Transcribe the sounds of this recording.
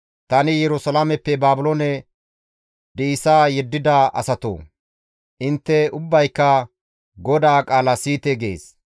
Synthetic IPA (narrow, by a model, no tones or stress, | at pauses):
t̪ɐnɪjɛɾʊsɐlamɛpːɛbaːbʊlonɛ | d̪iːsaːjɛd̪ːɪd̪ɐʔɐ̰sɐt̪o̰ː | ʔɪnt̪ːɛʊbːɐjkːɐ | ɡɔd̪aːkʼaːlɐsiːt̪ɛɡḛːs